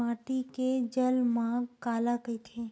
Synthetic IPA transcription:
aːʈiked͡ʒəlmãkaːlakəit̪ʰe

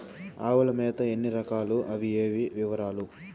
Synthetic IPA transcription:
aːʋɐlɐmeːd̪ɐenːiɾɐkaːluʔɐʋieːʋiʋiʋɐɾaːlu

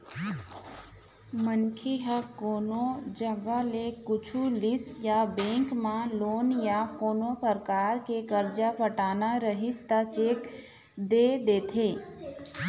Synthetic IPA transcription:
mənkʰeɦəkoːnod͡ʒəɡalekʊt͡ʃʰulɪsjabẽːŋkmãloːnjakoːnopəɾkaːɾkekəɾd͡ʒapəʈaːnaɾəɦɪst̪at͡ʃeːk | d̪eːd̪eːt̪ʰeː

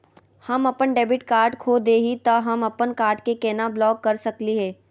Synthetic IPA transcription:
hɐmɐpənɖeːbɪʈkaːɾɖkʰoːd̪eːɦit̪ɐɦɐmɐpənkaːɾʈkekɛːnablɔːkːɐɾsɐkliɦɛː

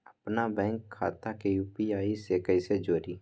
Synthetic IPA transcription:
əpnabɛ̃ːŋkʰːa̰ːt̪akejuːpiaːisekəised͡ʒoːɾiː

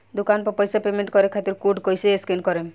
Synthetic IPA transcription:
d̪ukanpɔpɔjsapemeɳʈkɔɾekʰat̪iɾkuɖkɔjseeskinkɔɾem

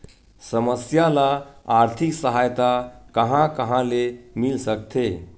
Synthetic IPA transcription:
səməsjalaaɾt̪ʰiksəɦajt̪akəɦãkəɦãlemilsək̚t̪ʰe

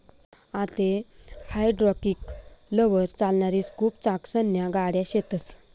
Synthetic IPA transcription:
at̪ehajɖɾɔkiːkləʋəɾt͡salɳaɾiːt͡skʰuːp̚t͡sãksənjaɡaɽjaɕet̪ət͡s

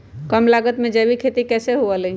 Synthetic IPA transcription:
kəmlaɡət̪mẽd͡ʒɛbikʰet̪ikɛseɦuəli

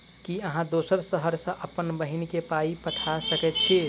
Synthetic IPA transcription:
kiəɦãd̪oːsəɾsəɦəɾsə̃ʔəpənbəɦinkepaipət̪ʰasəkɛt̪t͡ʃʰe

